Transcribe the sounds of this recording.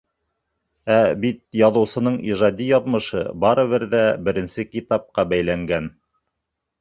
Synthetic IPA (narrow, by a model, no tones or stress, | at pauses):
æbit̪̚jɑðɤ̆wsɤ̆nɤɴiʒɑd̪ʲijɑðmɤ̆ʃɤ̰bɑɾɤβɘɾðæbɘ̆ɾɘ̆nsɘkit̪ɑp̚qɑbæjlæŋɡæn